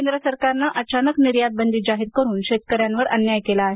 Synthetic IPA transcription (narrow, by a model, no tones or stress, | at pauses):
end̪ɾəsəɾkaɾnaʔət͡ɕanəkniɾjad̪̚bənd̪iːd͡ʑaɦiɾkəɾuːnɕet̪̚kəɾjanʋəɾə̰njajkelaːɦe